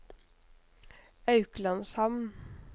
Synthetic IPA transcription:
ɑʉklɑnshɑmn

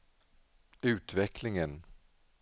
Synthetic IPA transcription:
ʉ̟ːt̪vɛklɪŋən

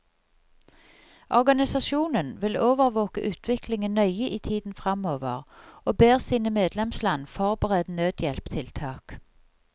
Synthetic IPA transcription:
ʔɔʁɡɑnɪsɑʃuːnənʋɪloːʋəʁʋoːkə̰ʔʉːt̪ʰʋɪklɪŋənœʏəʔiːt̪ʰiːd̪n̩fʁɑmoːʋəʁoːbeːʁsiːnəmeːd̪lɛmslɑnfɔʁbəʁɛd̪nøːd̪jɛlpt̪ʰɪlt̪ʰɑːk

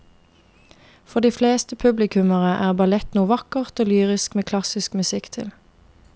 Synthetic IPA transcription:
fɔʁd̪iːfleːst̪əpʰʉblɪkʰʉməʁəʔæːʁbɑlɛt̪nuːʋɑkəʁt̪oːlyːʁɪskmeːkʰlɑsɪskmʉsɪkt̪ʰɪ̰l

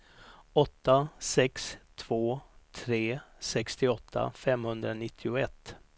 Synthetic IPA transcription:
ɔt̪ːasɛkst̪ʰv̥oːt̪ʰɾeːsɛkst̪ɪɔt̪ʰːa̰fɛmhɵnd̪ɾanɪt̪ʰːɪʊɛt̪ː

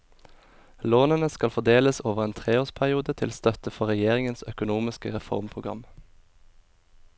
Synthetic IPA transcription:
loːnənəskɑlfɔd̪eːləsoːʋəʁeːnt̪ʰʁeːoːʁspʰæʁɪuːd̪ət̪ʰɪlst̪œt̪əfɔʁɛjeːʁɪŋənsœkʊnuːmɪskəʁɛfɔ̰ʁmpʰʁʊɡʁɑ̰m

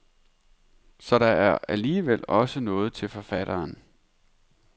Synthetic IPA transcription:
sɒ̽ɾ̥ɑ̈æɐæliːʋel̰ɒ̽sənɔ̽ːð̞̩ˠt͡sʰe̝lfɒ̽fæɾ̥ɐːn

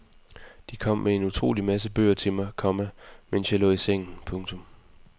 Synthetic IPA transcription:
d̥ikʰɒ̽m̰mʔee̝nut͡sʰʁo̝̰ːlimæsəb̥ø̰ːɐt͡sʰe̝lmɑ̈ɪkʰɒ̽mæmen̰sjɑ̈ɪlɔ̰ːiseŋ̰n̩pʰɔ̽ŋt͡sʰɔ̽m

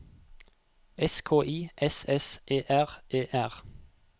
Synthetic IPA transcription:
ɛskʰoːʔiːʔɛsɛsʔeːʔæʁʔeːʔæʁ

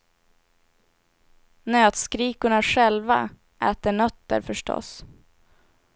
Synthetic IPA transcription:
nøːt̪skɾiːkʊɳaɧɛlva̰ | ʔæːt̪əɳœt̪ːə̰ɾfœʂʈɔ̰s

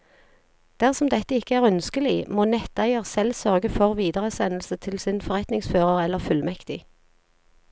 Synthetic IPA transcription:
d̪̥æʁsɔmd̪ɛt̪əɪkəæːʁœnskəlɪmoːnɛt̪æɪəʁsɛlsœʁɡəfɔʁʋiːd̪əʁəsɛnl̩sət̪ʰɪlsɪnfɔʁɛt̪nɪŋsføːʁəʁɛlːəʁfʉlmɛkt̪ɪ

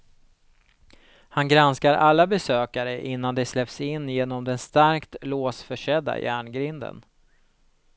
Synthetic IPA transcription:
hanɡɾanskaɾʔalːabɛsøːkaɾəʔɪn̪ːand̪ɛslɛpsɪnːjeːnɔmd̪ɛnst̪aɾkt̪loːsfœʂɛd̪ːa̰jæːɳɡɾɪnd̪ə̰n

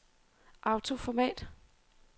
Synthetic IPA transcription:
ʔɑ̈ʊt͡sʰo̝fɒmɛ̰ːd̥

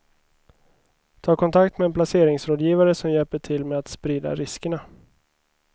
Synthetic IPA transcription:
t̪ʰɑːkʰɔnt̪ʰakt̪mɛːnpʰlaseːɾɪŋsɾoːd̪jiːvaɾəsɔmjɛlpəʈʰɪlmɛat̪spɾiːd̪a̰ɾɪskəɳa

